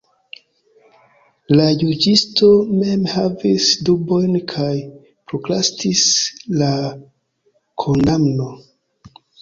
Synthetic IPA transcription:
lajud͡ʒisto̞me̞mhavisdubo̞jnkʰaj | pɾoklastisla | kʰondamno̞

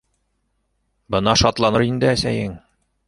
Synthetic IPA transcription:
bɤ̆nɑʃɒt̪lˠɑnɤɾind̪ɘæsæjɘŋ

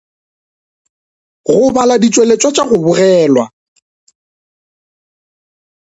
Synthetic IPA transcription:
ɣʊbaladit͡ʃʼwelet͡ʃʼwat͡ʃʼaɣʊbʊrɛːlwa

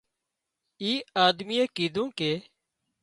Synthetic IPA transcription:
iːaːd̪miːeːkiːd̪ũːkeː

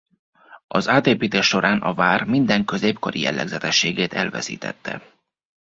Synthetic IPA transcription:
ɒzaːt̪eːpiːt̪eːʃːo̞ɾaːnɒvaːrmind̪ɛŋkø̞zeːpkoɾijɛ̰lːɛ̰ɡzɛt̪ɛʃːeːɡeːt̪ɛlvɛsḭːt̪ɛ̰t̪ːɛ̰

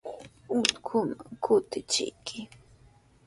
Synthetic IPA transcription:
ʊt̪kʰʊmaŋkʰʊt̪ɪt͡ʃɪ̰jkʰɪ

